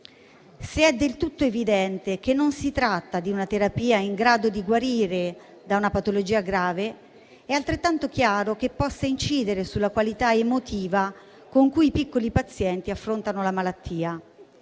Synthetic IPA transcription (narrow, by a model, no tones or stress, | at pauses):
seɛd̪ːelt̪ut̪ːoevid̪ɛnt̪ekenːonsit̪ɾat̪ːad̪iunat̪eɾapiːaiŋɡɾaːd̪od̪iɡwaɾiːɾe | d̪aunapat̪olod͡ʒiːaɡɾaːve | ɛalt̪ɾet̪ːant̪ok̟jaːɾok̟epːɔsːaint͡ʃiːd̪eɾesulːakwalit̪aemot̪iːva | koŋkuipikːolipat̪sːjɛnt̪iafːɾont̪anolamalat̪ːiːa